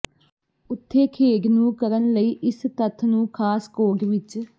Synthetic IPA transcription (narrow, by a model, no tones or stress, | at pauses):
ʊt̪ʰːeːkʰeːɡnũːkəɾənləiːʔɪst̪ət̪ʰnũːkʰaːskoːɡʋɪt͡ʃ